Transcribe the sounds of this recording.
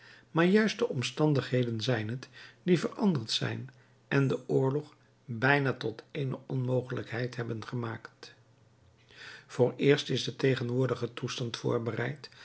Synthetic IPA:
maːɹjœɥst̚dəʔɔmstɑndəχɦejdənzɛjnɦətdivərɑ̰ndəɹtsɛ̰jn | ʔɛndəʔʊːɹlɔχ | bɛjnaːtɔtejnə̰ʔɔnmowχələkɦɛjtɦɛbənχəmaːkt | v̥ʊːɹɪːɹstɪzdətejχənʋʊːɹdəχətustɑntfʊ̰ːɹbərɛ̰jt

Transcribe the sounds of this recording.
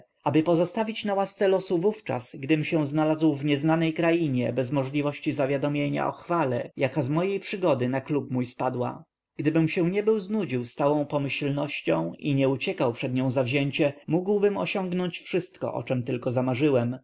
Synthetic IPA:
abɘpɔzɔst̪avʲit͡ɕnawast̪sɛlɔsuvuft͡ʂa̰sɡd̪ɘmɕɛw̃znalazwvɲɛznanɛjkɾajiɲɛbɛzmɔʐlʲivɔɕt͡ɕizavʲjad̪ɔmʲjeɲa̰ʔɔ̰xfalɛjakazmɔjejpʂɘɡɔd̪ɘnaklupmujspad̪wa̰ | ɡd̪ɘbɘmɕɛ̃ɲɛbɘwznud͡ʑiwst̪awɔ̃w̃pɔmɘɕlnɔɕt͡ɕɔ̃w̃iɲɛut͡ɕɛkawpʂɛd̪ɲɔ̃w̃zavʑɛɲt͡ɕɛmuɡwbɘmɔ̰ɕɔŋɡnɔɲt͡ɕfʂɘst̪kɔ̰ʔɔ̰t͡ʂɛmt̪ɘlkɔzamaʐɘwɛm

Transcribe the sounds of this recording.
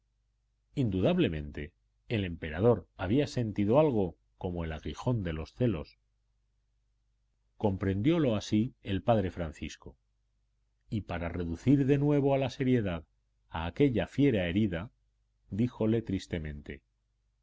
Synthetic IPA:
ind̪uðaβle̞mẽ̞nt̪e̞ː | le̞mpe̞ɾað̞o̞ɾaβiase̞nt̪iðoalɣ̞o̞ | ko̞moe̞laɣixo̞nd̪e̞lo̞sθe̞lo̞s | ko̞mpɾe̞nd̪jo̞lo̞asielpaðɾe̞fɾanθisko̞ | ipaɾare̞ðuθiɾðe̞nwe̞βo̞alase̞ɾje̞ðað | a̰ːke̞ʎafje̞ɾae̞ɾiða | d̪ixo̞le̞t̪ɾist̪e̞mẽ̞nt̪e̞̰

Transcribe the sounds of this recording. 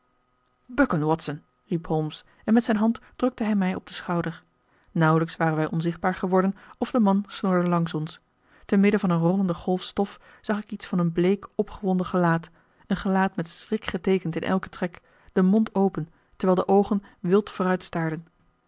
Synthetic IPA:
bœkənwɑtsən | ripɦɔms | ɛnmɛtsɛjnɦɑntd̥rɵk̚təɦɛjmɛjɔb̚dəsχɑwdəɹ | nʌwələksʋaːrənʋɛjʔɔnzɪχd̚baːɹχəʋɔɹdənɔvdəmɑnsnʊɹdəlɑŋsɔns | tənmɪdəvɑnənrɔləndəχɔlˠfstɔf | z̥ɑχɪkitsfɑnənblejkɔpχəʋɔndəχəlaːt | ənχəlaːtmɛtsrɪkχətejkəntɪnʔɛ̰lˠkə̥trɛk | d̥əmɔntowpən | təɹʋɛːlˠdəʔowχənʋɪlˠtfʊːrœɥtstaːɹdən

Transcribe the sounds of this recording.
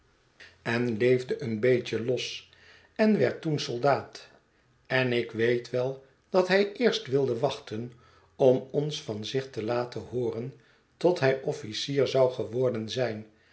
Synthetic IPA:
ɛnlejvdəʔənbejcəlɔs | ɛnʋɛ̰ɹtunsɔlˠdaːt | ɛnɪkʋejtʋɛlˠ | d̥ɑtɦɛjɪːɹstʋɪlˠdəʋɑχtən | ɔmɔnsfɑnzɪχtəlaːtəhʊːrən | tɔtɦɛjʔɔfisiːɹzɑwχəʋɔɹdənzɛjn

